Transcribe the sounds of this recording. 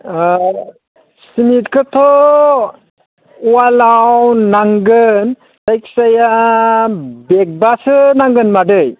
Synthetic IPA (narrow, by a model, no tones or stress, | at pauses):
simitkʰɯtʰɔ | walawnaŋɡɯn | sajksaja | bek̚basɯnaŋɡɯnmadɯj